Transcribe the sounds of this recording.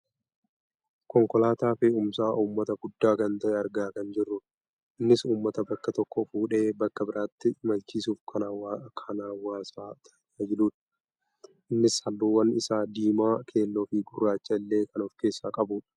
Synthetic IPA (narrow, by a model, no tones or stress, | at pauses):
kɔŋkɔlaːt̪aːfɪumsaːʔuːmːɐt̪ɐɡʊd̪ːaːkɐnt̪ɐʔɛɐɾɡaːkɐnd͡ʒɪrːʊᶑ | ʔɪnːɪsuːmːɐt̪ɐbɐkːɐt̪ɔkːɔfuːᶑe̞ːbɐkːɐbɪɾʔaːt̪ːɪmɐlt͡ʃiːsuːfkʰɐnaːwakʰɐnaːwaːsaːt̪ʰɐ̥ | aːd͡ʒɪluːᶑɐ̥ | ʔɪnːɪshɐlːuːwɐnɪsaːd̪iːmaːkʰe̞ːlːoːfɪɡʊrːaːt͡ʃːɐɪlːe̞ːkɐnɔfke̞ːsːaːkʼɐbuːᶑɐ̥